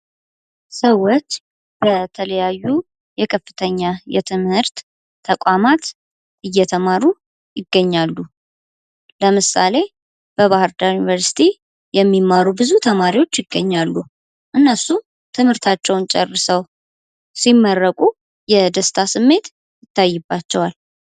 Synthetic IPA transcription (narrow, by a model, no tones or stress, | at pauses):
səwːot͡ʃː | b̥ət̪ʰələjajːu | jɛkʰəfːɨt̪ʰəɲːajɛt̪ʰɨmhɨɾt̪ʰː | əkʷʼamat̪ | ʔɨjːɛt̪ʰəmaɾu | jɪɡːəɲːalːu | ləmɨsa̰le̞ | b̥əβahɨɾd̪ajunivəɾsi̥t̪ʰi | jɛmːimːaɾubɨzut̪ʰəmaɾiwo̞t͡ʃːjɪɡːəɲːalːu | ʔɨnːəsu | t̪ʰɨmhɨɾt̪ʰat͡ʃːɛwnt͡ʃʼɛrːɨsəw | simːərːəkʼu | jɛd̪əst̪ʰasɨmːe̞t̪ | jɪt̪ːajːɨbːat͡ʃːɛwal